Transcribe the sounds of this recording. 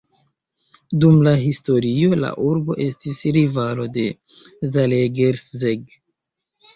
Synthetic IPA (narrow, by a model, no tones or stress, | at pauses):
dumlaɦisto̞ɾio̞la̰ʔuɾbo̞̰ʔe̞stisɾivalo̞de̞ | zaleɡeɾszeɡ